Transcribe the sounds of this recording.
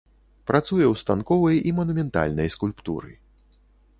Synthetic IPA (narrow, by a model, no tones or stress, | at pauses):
pɾat̪sujɛwst̪ankɔvɐjimɐnumʲɛnt̪a̰lʲnɐjskulʲpt̪ṵɾɨ̰